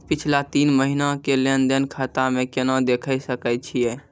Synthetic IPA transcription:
pɪt͡ʃʰlat̪iːnməɦinakelend̪enkʰat̪amẽkenãd̪ekʰəjsəkɛt͡ʃʰijɛ

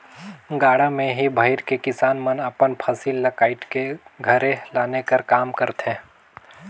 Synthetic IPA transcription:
ɡaːɽamẽɦibʱaɪɾkekɪsaːnmənɐpənpʰaːsiːlːɐkaːɪʈkeɡʱɐɾẽlaːnekɐɾkaːmkəɾt̪ɦɛ̃ː

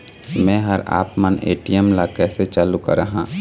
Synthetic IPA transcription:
mɛ̃ːɦɐɾa̰ːpmənḛːʈijəmlakɛːset͡ʃaːlukə̰ɾəɦãː

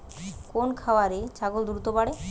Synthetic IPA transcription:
konkʰawaɾet͡ɕaɡuld̪uɾut̪obaɽe

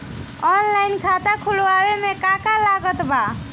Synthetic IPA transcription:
ɔnlainkʰat̪akʰuloawemekãkalaɡət̪ba

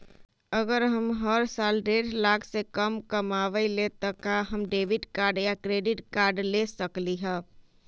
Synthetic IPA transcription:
əɡəɾɦəmɦəɾsalɾeʈʰlakʰsekəmkəmaʋəilet̪ɔkaɦəmɖeʋiʈkaɾɖjakɾeɖɪʈkaɾɖlesəkliɦə

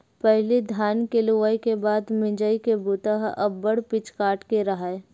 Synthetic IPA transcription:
pɛɦlid̪ʱaːnkeluʋaikebaːd̪mɪ̃d͡ʒəikebut̪aɦɐ̰bːəɽpɪt͡ʃkaːʈkeɾɐɦaːe

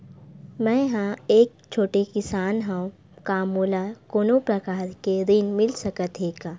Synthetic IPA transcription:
mɛ̃ːɦãeːk̚ | t͡ʃʰoːʈekɪsaːnɦãũ | kaːmuːlakoːnõpɾɐkaːɾked̪ɪnmɪlsɐkət̪ɦeːɡaː

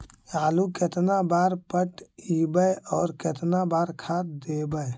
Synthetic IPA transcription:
jaːluket̪nabaːɾpəʈibəeɔːɾket̪nabaːɾkʰaːt̪̚d̪eːbəe

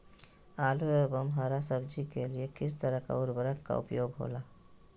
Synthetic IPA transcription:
aːloebəmɦaːɾasəbd͡ʒikeliekɪst̪əɾəka̰ʊɾbəɾəkka̰ʊ̰pjoːɡɦo̰ːlaː

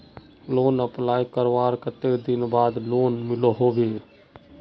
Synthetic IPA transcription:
loːnəplaːikəɾʋaːɾkət̪ed̪ɪnbaːd̪loːnmɪloɦoːɡeː

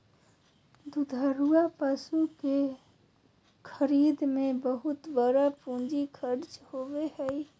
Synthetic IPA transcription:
d̪ud̪ʱəɾuapəsuke | kʰəɾid̪mebəɦut̪bəɾapũd͡ʒikʰəɾt͡ʃhobehəj

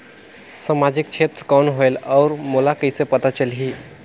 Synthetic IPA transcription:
samad͡ʒik̚t͡ʃʰet̪ɾəkɔnɦoelɔːɾmolakəɪsepət̪at͡ʃəlɦi

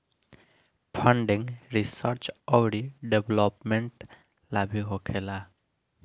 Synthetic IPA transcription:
pʰəɳɖĩŋɾisəɾt͡ʃɔwɽiɖebʱlɔpmeɳʈ | labʱiɦokʰela

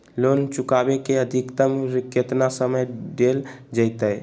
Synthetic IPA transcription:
lont͡ʃukabekeəd̪ʱikt̪əmɾiket̪nasəməjɖeld͡ʒəjt̪əj

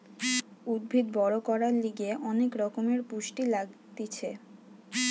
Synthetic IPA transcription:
ud̪̚bʱid̪bɔɾokɔɾaɾliɡeʔɔnekɾɔkomeɾpuʃʈilaɡt̪it͡ɕʰe

